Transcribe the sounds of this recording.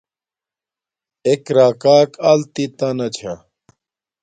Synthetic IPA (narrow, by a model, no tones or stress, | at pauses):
ekɾaːkaːkalt̪it̪anɐt͡ɕʰa